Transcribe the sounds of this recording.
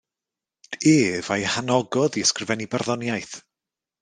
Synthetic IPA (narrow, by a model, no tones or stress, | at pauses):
eːvajhanɔɡɔðiɛskrɨvɛnibarðɔnjajθ